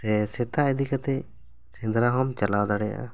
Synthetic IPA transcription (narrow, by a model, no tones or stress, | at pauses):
sɛsɛt̪aɛd̪ikat̪ɛ | sɛ̃d̪ɾaɦɔmt͡ʃalawd̪aɽɛja̰ʔa̰